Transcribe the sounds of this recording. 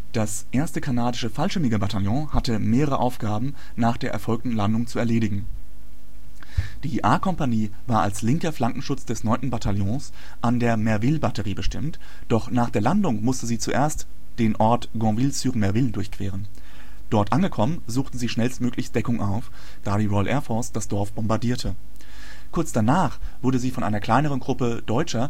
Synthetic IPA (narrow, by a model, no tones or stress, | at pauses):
d̥asʔeːɐstəkʰanaːdɪʃəfalʃtɪmɪɡəbataljɔ̃hatəmeːʁəʁə̰ʔaʊfɡ̥aːbm̩ | naːχd̥eːɐʔɛɐfɔlk̚tn̩landʊŋt͡suɛɐleːɾɪɡŋ̩ | d̥iːʔaːkʰɔmpaniː | vaːɐa̰lslɪŋkɐflaŋkŋ̩ʃʊt͡sd̥ɛsnɔʏntn̩batʰaljɔ̃ːs | ʔandeːɐmɛɐvɪlbatəʁiːbəʃtɪmt | d̥ɔχnaːχd̥eːɐlandʊŋmʊstəziːt͡suʔeːɐst | d̥eːnʔɔɐtɡ̥ɔ̃ːvɪlsyːʁmɛɐvɪldʊɐçkv̥eːʁ̞ən | d̥ɔɐtʔanɡəkʰɔmənzuːxtn̩ziːʃnɛlstmøːklɪçstd̥ɛkʊŋʔaʊf | d̥aːɾiːʁɔʏlʔɛːɐfɔɐsd̥asd̥ɔɐfb̥ɔmbaɐdiːɐtʰə | kʰʊɐt͡sd̥anaːχ | v̥ʊɐdəziːfɔnʔa̰ɪnɐkl̥aɪnəʁ̞ənɡʁʊpəd̥ɔʏt͡ʃɐ